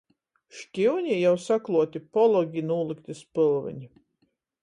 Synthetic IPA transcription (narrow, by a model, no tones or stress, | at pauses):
ʃkʲiwɲʲijawsaklˠuɔt̪ipɔlˠɔɡʲinuːlˠɨkt̪ɨspɨlˠvɨ̰ɲʲ